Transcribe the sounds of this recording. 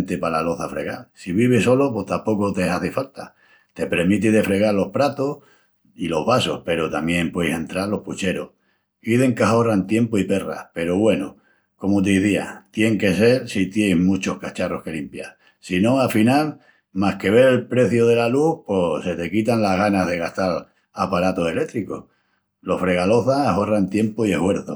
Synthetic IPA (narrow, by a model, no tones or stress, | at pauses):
nt̪epalaloθafɾe̞̰ɣalsiβ̞iβ̞eso̞lopo̞ht̪ampo̞kot̪esaθefalt̪a | t̪e̞pɾeɾmit̪iðe̞fɾe̞ɣaɾlo̞hpɾat̪o̞h | ilo̞ɦβaso̞hpe̞ɾo̞t̪amjẽ̞mpwejse̞nt̪ɾaɾlo̞hput͡ʃe̞ɾo̞̰h | kiðe̞ŋkaɦo̞rant̪je̞mpoipe̞ra̰pe̞ɾoβwe̞no | ko̞mot̪̬iðia̰t̪je̞ŋke̞se̞ɾsit̪je̞jzmut͡ʃo̞hkat͡ʃaro̞hke̞limpjaɾ | sinõ̞afinal | mahke̞β̞e̞ɾe̞lpɾe̞θjoð̞e̞laluhpo̞se̞t̪e̞kit̪anlaɦɣanaðeɣ̞aht̪al | apaɾat̪o̞se̞le̞t̪ɾiko̞h | lo̞hfɾe̞ɣalo̞θaaho̞rant̪je̞mpoie̞hwe̞ɾθo̰